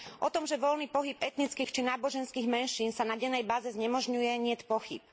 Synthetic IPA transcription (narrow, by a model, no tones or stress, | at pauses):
ʔɔt̪ɔmʒɛʋɔlniːpɔɦibɛt̪nit͡skiːxt͡ʃinaːbɔʒɛnskiːɣmɛnʃiːnsanaɟɛnɛjbaːzɛzɲɛmɔʒɲujɛɲɪɛcpɔxḭp̚